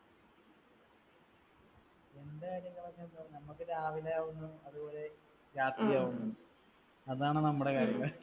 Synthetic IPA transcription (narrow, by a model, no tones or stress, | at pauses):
e̞nd̪ekaːɾjɐŋːɐɭɐɲːɐnɐnɐmːukːiɾeaːʋilaːʋunːuɐðubo̞ːle̞ | ɾaːt̪ijaːʋunːuɖɨ | ɐðaːɳɨnɐmːuɽe̞kaːɾjɐŋːɐɭ